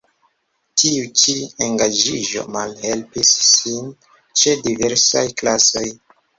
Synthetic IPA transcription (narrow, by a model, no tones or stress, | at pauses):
tʰiut͡ʃieŋɡad͡ʒiʒo̞̰malhe̞lpisːin | t͡ʃe̞diveɾsajklaso̞j